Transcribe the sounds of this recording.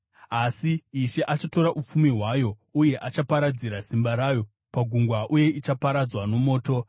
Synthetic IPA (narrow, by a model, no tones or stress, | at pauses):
asiːʃe̞ʔat͡ʃato̞ɾaʔup͡fumiɦwajo̞ | uje̞ʔat͡ʃapaɾad͡ziɾasimbaɾaːjo̞ | paɡʱuŋɡwaʔuje̞ʔit͡ʃapaɾad͡zwano̞mo̞ːto̞